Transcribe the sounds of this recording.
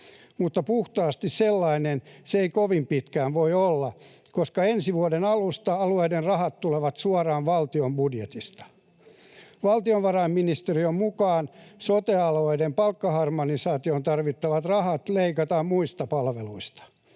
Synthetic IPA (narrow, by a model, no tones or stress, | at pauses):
mut̪ːɑpuht̪ɑːst̪isselːɑinenseeikoʋimpit̪kæːnʋoiolːɑkoskɑensiʋuodenɑlust̪ɑɑlueidenrɑhɑt̪t̪uleʋɑt̪suɑrɑːnʋɑlt̪iombudjet̪ist̪ɑ̥ | ʋɑlt̪ioʋʋɑrɑimminist̪eriommukɑːnsot̪eɑloeidempɑlkːɑhɑrmonisɑːt̪iont̪ɑrʋit̪ːɑʋɑt̪rɑhɑt̪leikɑt̪ɑmmuist̪ɑpɑlʋeluist̪ɑ̥